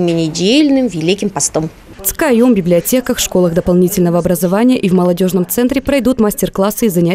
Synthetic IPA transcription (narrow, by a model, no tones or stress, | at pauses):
mʲɪnʲɪdʲelʲnɨmvʲɪlʲikʲɪmpɐst̪om | ft̪skajombʲɪblʲɪɐtʲe̞kəxʂko̞lˠəxd̪əpɐlˠnʲitʲɪlʲnəvəɐbɾəzɐvanʲɪjəʔivməlˠɐdʲo̞ʐnəmt̪sɛnt̪ɾʲɪpɾɐjd̪ut̪masʲtʲɪrklˠasːɨizɐnʲæ